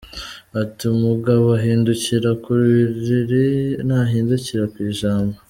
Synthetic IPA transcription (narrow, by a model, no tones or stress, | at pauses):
atimuɡaβoaɦiːnduciɾakuɾuβiɾiɾinaɦiːnduciɾakwiːʒaːmbo